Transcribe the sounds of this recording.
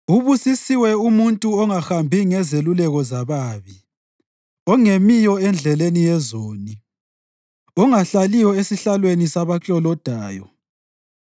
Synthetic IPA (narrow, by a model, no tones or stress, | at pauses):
uβusisiwɛumuntʼuɔŋaxambʱiŋɛzelulɛɣɔzaβaːβi | ɔŋemijɔɛnd͡ɮʱɛlenijɛzoːni | ɔŋaɬalijɔesiɬalwenisaβat͡ɬʼɔlɔd̥ʱaːjɔ